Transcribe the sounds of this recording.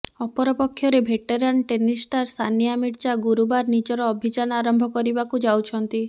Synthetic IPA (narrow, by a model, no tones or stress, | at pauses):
ɔpɔɾɔpɔkʰːjɔɾebʱeʈeɾanʈenisʈaɾst̪ʰanijamiɽt͡ʃaɡuɾubaɾnid͡ʒɔɾɔːbʱid͡ʒanɔaɾɔmbʱɔkɔɾibakud͡ʒawt͡ʃʰɔnt̪i